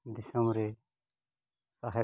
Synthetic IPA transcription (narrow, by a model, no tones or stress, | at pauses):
d̪ɪsəmɾe | saɦɛ